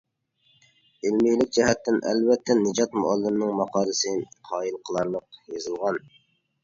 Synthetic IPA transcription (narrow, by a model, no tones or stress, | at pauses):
ɪlmijlɪk̚ʲd͡ʒɛɦɛt̪ʰːɪnʔɛ̰lvɛt̪ʰːɛnɨd͡ʒɑt̪mʊ̰ɑlˠːɨmnɨŋmɑqʰɑːɾɨsɨqʰɑːilˠqʰəlˠɑɾlˠəqjezɨlˠʁɑn